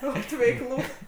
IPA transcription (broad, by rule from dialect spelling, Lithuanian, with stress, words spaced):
ˈoːt ʋʲɛɪˈklˠuː